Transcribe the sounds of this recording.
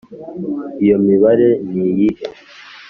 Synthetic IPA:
ijo̞miβaɾe̞nijihe

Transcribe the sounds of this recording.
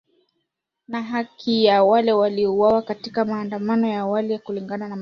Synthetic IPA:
naɦakʰijawalɛwaliɔuwawakatikamaːndamanɔjawalikuliŋɡananam

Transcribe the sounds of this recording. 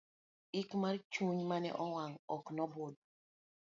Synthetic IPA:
ikmaɾt͡ʃuɲmanɛ̰ʔɔwaŋɔknɔbod̚

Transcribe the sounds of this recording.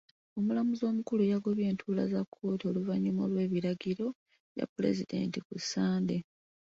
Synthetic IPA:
o̞mulamuzo̞ːmukulujaɡo̞βje̞ːntʰuːla̰zakʰːo̞ːtio̞luvaɲːimolwe̞ːβiɾaɡiɾo̞ | ja̰pːule̞̰zid̪e̞̰ntikusːaːnde̞

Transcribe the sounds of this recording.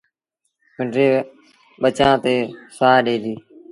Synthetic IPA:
mɪɳɖɾeː | ɓət͡ʃãːt̪eːsaːɗeːliː

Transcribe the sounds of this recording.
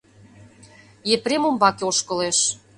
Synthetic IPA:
jepremombɑkeoʃkɤ̆leʃ

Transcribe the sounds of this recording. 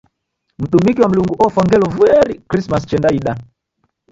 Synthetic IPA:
m̩ɗumikiwam̩luŋɡuʔɔfwaŋɡɛlɔvuɛɾikɾismast͡ʃɛndaiɗa

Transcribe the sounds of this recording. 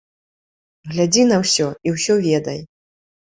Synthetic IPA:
ɣlʲad͡zʲinɐwsʲɔiwsʲɔvʲɛd̪ɐj

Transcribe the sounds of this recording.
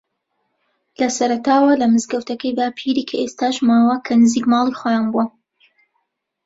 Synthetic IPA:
lɐsɐɾɐt̪aːwɐlɐmɨzɡɐwt̪ʰɐkɐjd̪aːpʰiɾiːkʰɐʔest̪aːʃmaːwɐkʰɐnɨziːkmɑːlˠixojaːnbuɐ

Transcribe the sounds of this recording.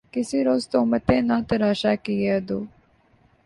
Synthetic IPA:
kɪsiːɾoːzt̪omət̪ẽːnãːt̪ɐɾaːʃaːkieːd̪oː

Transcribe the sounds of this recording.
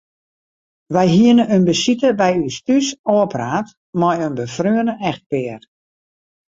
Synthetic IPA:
ʋɛjɦiənəønbəsitəbɛjystysɔːəpraːt | mɔjønbəfrøənəʔɛxt̚pɪər

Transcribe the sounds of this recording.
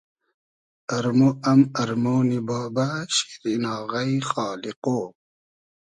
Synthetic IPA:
ɐɾmoɐmɐɾmoːnibɑːbaɕi̥ɾinɑːɣajxɑːliqoː

